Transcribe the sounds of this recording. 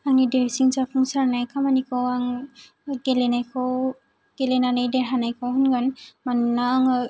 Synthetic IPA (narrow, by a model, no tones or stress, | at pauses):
aŋnideɾsiŋsapʰuŋsaɾnajkʰamanikʰɔwaŋ | ɡelenajkʰɔw | ɡ̥elenanajdeɾɦanajkʰɔwhunɡanmannaːŋɯ